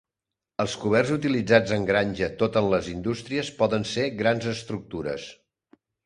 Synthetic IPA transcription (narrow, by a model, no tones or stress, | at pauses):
əlˠskuβ̞ɛrzut̪ilid͡zad͡zəŋɡɾanʲʒət̪ot̪ənləzind̪ust̪ɾiəspɔðənseɣɾanzəst̪ɾuk̚t̪uɾə̰s